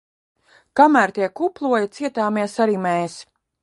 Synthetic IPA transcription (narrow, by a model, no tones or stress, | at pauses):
kamæːɾt̪iɛkuplˠuɔjit̪siɛt̪aːmiɛsaɾiːmɛjs